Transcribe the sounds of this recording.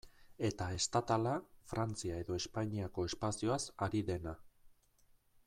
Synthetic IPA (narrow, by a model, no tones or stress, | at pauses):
e̞t̪ae̞st̪at̪alafɾant͡siae̞ðo̞e̞spaɲiako̞e̞spasioasaɾiðe̞na